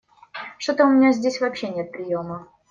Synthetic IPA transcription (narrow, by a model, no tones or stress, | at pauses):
ʂt̪ot̪əʊmʲɪnʲazʲdʲesʲvɐpɕːenʲet̪̚pɾʲɪjo̞mə